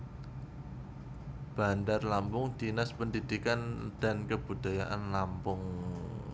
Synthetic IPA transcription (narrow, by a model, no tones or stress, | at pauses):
b̥a̤ndarlampʊŋd̪̥inaspənd̪id̪̥ikand̪̥a̤nkəb̥ṳd̪̥a̤jaʔanlampʊŋ